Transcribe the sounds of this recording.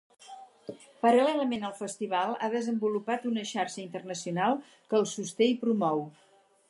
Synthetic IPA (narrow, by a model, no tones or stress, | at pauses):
pəɾəlɛləmenəlˠfəst̪iβ̞alˠa̰ðəzəmbulupat̪unəʃarʃəint̪ərnəsiunalˠ | kəːlˠsust̪ejpɾumɔw